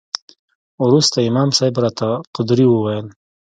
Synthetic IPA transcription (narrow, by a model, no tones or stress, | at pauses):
ʊɾust̪aimɑːmsɑjbɾat̪ʰaqʊd̪ɾiwuwajəl